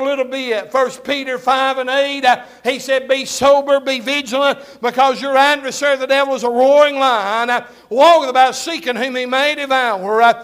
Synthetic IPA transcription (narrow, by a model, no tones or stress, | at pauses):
lɪɾl̩ˠbiɪtfɜ˞spʰiɾə˞faɪvɨ̃neɪt̚ | hisɛd̚bisoʊbə˞bivɪd͡ʒl̩ˠə̃n | b̥ɨkʰʌzjə˞ædvə˞sɛɹðɨdɛvl̩ˠwʌzəɹɔɹɪ̃ŋlãɪ̃n | wɔðəbaʊtsikɨ̃nhʉ̃mimeɪɾɨvaʊə˞